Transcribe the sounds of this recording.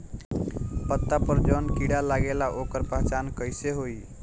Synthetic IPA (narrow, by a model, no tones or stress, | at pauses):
pət̪ːapəɾd͡ʒɔnkiɽalaɡelaʔokəɾpaɦt͡ʃankəɪseɦoi